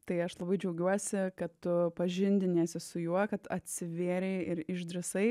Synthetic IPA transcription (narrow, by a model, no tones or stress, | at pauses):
t̪ɐɪɐʃlˠɐbɐɪd͡ʒʲɛʊɡʲuɔsʲɪkɐtt̪ʊpɐʒʲɪnʲd̪ʲɪnʲeːsʲɪsʊjuɔkɐt̪ɐt̪ʲsʲɪʋʲeːɾʲɛɪɪɾɪʃd̪ʲɾʲɪsɐɪ